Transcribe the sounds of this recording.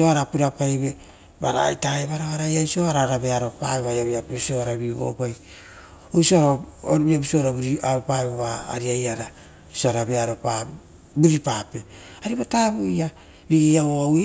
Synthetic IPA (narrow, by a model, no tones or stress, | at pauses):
oaɾapuɾapajβe̞ | baɾa̰jtaeβaɾoaɾajaisoaɾaɾabe̞aɾo̞paeβajaβiapiso̞aɾaβiβo̰paj | osoaɾaβiabiso̞ɾabuɾiaɾopaboβa̰ːɾiajaɾa | soaɾabe̞aɾo̞pa | buɾipape̞ | aɾiβotaβuja | ɾiejaβoawe